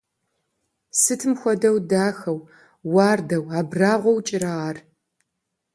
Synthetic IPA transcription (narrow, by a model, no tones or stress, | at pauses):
sɨtʰɨmxʷɔdɐwdaːxɐw | wɑːrdɐwaːbraːʁʷɔwt͡ʃʼɪɾaʁar